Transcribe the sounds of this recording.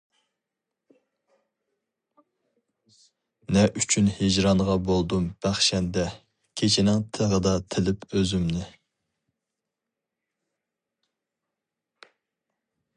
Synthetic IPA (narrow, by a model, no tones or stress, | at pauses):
nɛʔyt͡ʃʰynhɪd͡ʒɾɑɴʁɑbolˠd̪umb̥æχʃɛnd̪ɛ | kʲʰet͡ʃʰɪnɪŋt̪ʰəʁəd̪ɑt̪ʰɪlɪpøzymnɪ